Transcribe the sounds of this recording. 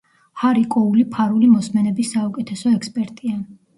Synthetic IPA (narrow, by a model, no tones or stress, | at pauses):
haɾikʼɔulipʰaɾulimɔsmɛnɛbisːaukʼɛt̪ʰɛsɔɛkspʼɛɾt̪ʼia